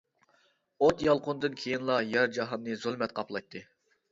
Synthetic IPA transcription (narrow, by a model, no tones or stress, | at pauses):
ot̪jɑlˠqʰʊnd̪ɨnkʲʰejinlˠɑjɛɾd͡ʒɑɦɑnnɨzulˠmɛt̪̚qʰɑplˠɑjt̪ʰːɨ